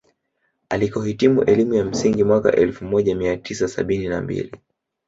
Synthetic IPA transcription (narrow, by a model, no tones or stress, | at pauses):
alikɔhitimṵʔɛlimujam̩siŋɡimwaka̰ʔɛlfumɔʄamiatʰisasa̰ɓinina̰mbḭli